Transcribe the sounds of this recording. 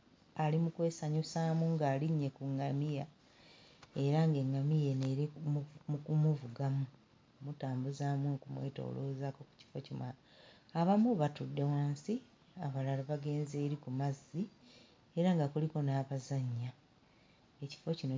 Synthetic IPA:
alimukwe̞ːsaɲosaːmuŋɡaːliɲːe̞kuŋːamija | e̞ɾaŋɡe̞ŋːamije̞neɾimmukumuvuɡamu | mutaːmbuzaːmukumwe̞̰ːto̞̰ːloːzako̞ku̥ci̥fo̞cimwa | aβamuβatudːe̞waːnsi | aβalalaβaɡe̞ːnze̞ːɾikumazːi | e̞ɾaŋɡakuliko̞naːβazaɲːa | e̞ci̥fo̞cino

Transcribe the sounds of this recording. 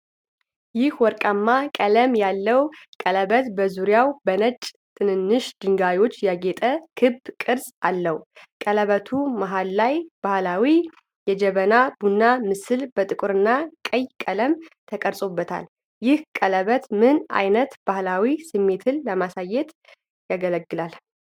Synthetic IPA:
jɪhwɔɾkʼamːakʼələmjalːəwkʼələβət̪bəzuɾjawbənət͡ʃʼː | t̪ʰɨnɨnːɨʃd̪̥ɨŋɡajwo̞t͡ʃːjaɡet̪ʼəkʰɨbkʼɨɾsʼalːəhukʼələβət̪ʰumaɦalːajb̥ahlawi | jɛd͡ʒɛβənabunːamɨsɨlb̥ət̪ʼɨkʼuɾɨnːakʼəjkʼələmt̪ʰəkʼəɾsʼo̞bːət̪ʰa̰l | jɪhkʼələβət̪mɨna̰jnət̪b̥ahlawisɨmːe̞t̪ʰɨlːəmasajːɛt̪ | jaɡələɡːɨlal

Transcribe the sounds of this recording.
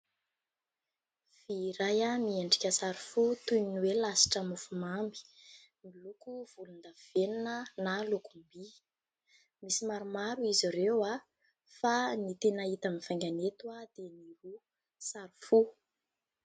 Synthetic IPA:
v̥iɾajamieɳɖ͡ʐi̥kʲəsaɾifut̪ujiniwelasi̥ʈ͡ʂəmufumambi̥ | milukuv̥ulund̪aveninənalukumbi | misimaɾumaɾuiziɾewa | fanit̪enait̪amifajŋɡʲanet̪uad̪eniɾu | saɾufu

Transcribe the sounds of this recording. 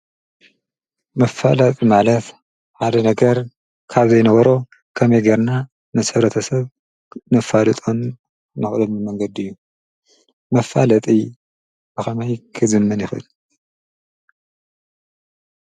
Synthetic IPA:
mɐfalɐt̪ʼimalɐt̪ | ħad̪ɐnɐɡɐɾ | kʰaβzɐjnɐβɐɾo̞ | kʰɐmɐjɡɐɾna | nɨsɨβɾɐt̪ʰɐsɐβ | nɐfalɨt̪ʼon | nɨxlomɨmɐŋɡɐd̪ɨjːu | mɐfalɐt̪ʼi | bɨxɐmɐjkʰɨzɨmːɐnjɪxɨ̰l

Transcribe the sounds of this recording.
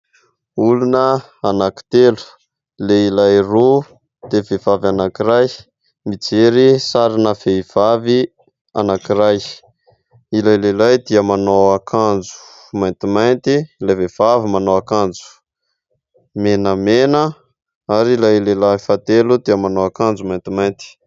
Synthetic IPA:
ulunə | anaki̥t̪elu̥ | leilajro | d̪̥evevavanakiɾaj | mit͡seɾisaɾinəv̥eiv̥avi | a̰nakiɾaj | ilajlelajd̪iəmanowakʰand͡zu̥ | majnt̪imajnt̪iilajvev̥avimanowakand͡zu̥ | menəmenə | aɾilajlelafat̪elud̪iəmanoakand͡zumajnt̪imajnt̪i̥

